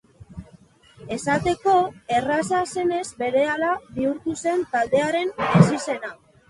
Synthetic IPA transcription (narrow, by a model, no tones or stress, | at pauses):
e̞sat̪e̞ko̞e̞rasase̞ne̞zbe̞ɾe̞alaβiuɾt̪use̞nt̪ald̪e̞aɾe̞nesise̞na